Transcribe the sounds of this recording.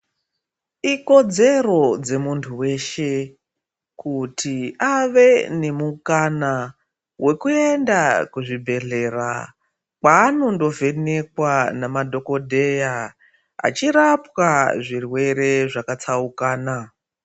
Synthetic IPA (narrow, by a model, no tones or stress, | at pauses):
iko̞d͡ze̞ro̞d͡ze̞muntʰuwe̞ʃe̞ | kutʰiaʋe̞ne̞mukana | we̞kue̞ndakuʐibʱe̞ɮe̞ra̰ | kaːno̞ndo̞ve̞ne̞k̚wanamadʱo̞ko̞dʱe̞ja | a̰t͡ʃiɾapwaʐirwe̞ɾe̞ʐakat͡saukaːna